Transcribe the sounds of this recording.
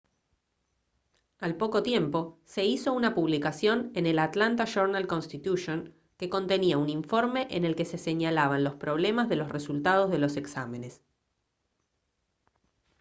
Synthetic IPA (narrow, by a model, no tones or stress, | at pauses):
alpo̞ko̞t̪je̞mpo̞se̞iso̞unapuβlikasjo̞ne̞nelat̪lant̪aʃoɾnalko̞nst̪it̪uʃo̞ŋ | ke̞ko̞nt̪e̞niauniɱfo̞ɾme̞ʔene̞lke̞se̞se̞ɲalaβanlo̞spɾo̞β̞le̞mazðe̞lo̞sre̞sult̪að̞o̞zðe̞lo̞se̞ksame̞ne̞s